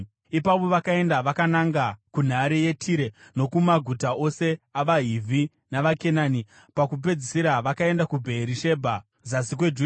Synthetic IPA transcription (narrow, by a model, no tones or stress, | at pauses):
ipaʋo̞ʋakae̞ndaʋakanaŋɡakun̤aɾije̞tʰiɾe̞no̞kumaɡʱutao̞se̞aʋaɦivʱi | naʋake̞nani | pakup̬e̞d͡zisiɾaʋakae̞ndakubʱeɾiʃe̞bʱa | zasikwe̞d͡ʒu